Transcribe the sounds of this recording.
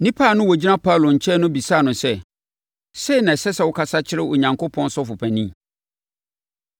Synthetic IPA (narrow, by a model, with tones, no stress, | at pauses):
nĩ˦pʰa˦˨nʊ̃˦wɔ˨d͡ʑi˦nã˦pʰa˦˨lo˨ɲ̩˨t͡ɕʰɛ˦nʊ̃˦bi˨saː˦˨nʊ̃˨sɛ˦ | se˦i˨nã˨sɛ˦sɛ˦˨wʊ˦kʰa˦sa˦t͡ɕʰɪ˦ɾɪ˦ʊ˨ɲã˨ŋko˦pʰɔ̃˦nsɔ˦fʊ˨pʰæ̃˨nĩ˦m